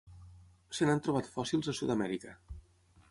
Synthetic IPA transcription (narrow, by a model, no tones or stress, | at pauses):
sənant̪ɾuβ̞at̪fɔsilˠzəsuðəmɛɾikə